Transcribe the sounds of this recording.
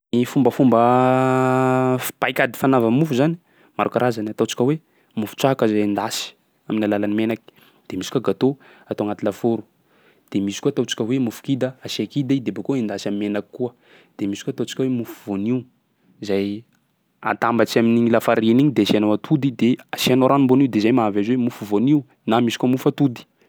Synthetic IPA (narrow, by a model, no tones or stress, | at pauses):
mifumbəfumbə | pajkad̪i̥fanavəmufuzani̥ | maɾukaɾazanat̪ot͡si̥kʲəwe | mufu̥t͡saɦakəzajind̪asi̥ | aminalalanimenaki̥ | d̪̥emisi̥kuaɡat̪o | at̪owaŋat̪ilafoɾu̥ | d̪̥emisi̥kuat̪ot͡si̥kʲəwemufu̥kid̪əasiakid̪aid̪ebokoind̪asamimenaki̥kːuə | d̪̥emisi̥kuat̪ot͡si̥kʲawemufu̥voniu | zaj | a̰t̪ambat͡ʃaminiŋilafaɾiniɲid̪easianowat̪ʰud̪id̪easianoɾanumboniwd̪ezajmaavazwemufuvoniu | namisi̥kuəmufat̪ud̪i̥